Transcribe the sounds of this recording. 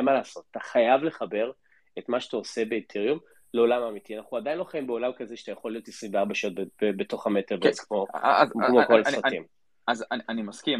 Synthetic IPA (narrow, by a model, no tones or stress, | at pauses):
malaːso̞t̪at̪aχajavle̞χabe̞ʁ | etmaʃat̪aose̞be̞ːntʰeʁjum | leo̞lamamitianaχuad̪ajinlo̞χaimbeo̞lamkazeʃat̪ajaχo̞lijo̞t̪isuvbeaʁbaʃaot̚bebebeto̞χametevzkmomokolaʁatim | azanimaskim